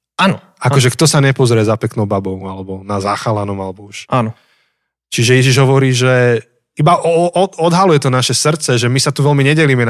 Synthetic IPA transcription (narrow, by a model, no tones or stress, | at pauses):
anɔ | akɔʒɛkt̪ɔsaɲɛpɔzɾɛzapɛknɔʊbabɔʊalɛbɔnazaxalanɔmalɛbɔuʃaːnɔ | t͡ʃiʒɛjɛʒiʒɦɔʋɔɾiːʒɛ | ibaʔɔɔɔd̪ɦalujɛt̪ɔnaʃɛsr̩t͡sɛʒɛmisat̪uʋɛlmiɲɛɟɛliːmɛn